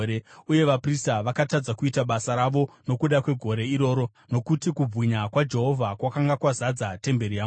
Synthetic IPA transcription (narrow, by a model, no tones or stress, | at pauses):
ɾeuje̞ʋapristaʋakatad͡zakuitaɓasaɾaʋo̞no̞kuɗakwe̞ɡʱo̞ɾe̞iɾo̞ːɾo̞ | no̞kutikub͡vwiɲakwad͡ʒe̞ɦo̞vʱakwakaŋɡakwazad͡zate̞mbe̞ɾija